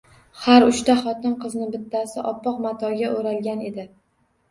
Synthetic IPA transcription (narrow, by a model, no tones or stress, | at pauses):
haɾʊʃt̪aχɒt̪ɪnqɨznɪbɪt̪ʰːasɪʔɒpːɒqmat̪ʰɒɡʲaʔoɾalɡʲane̞d̪ɪ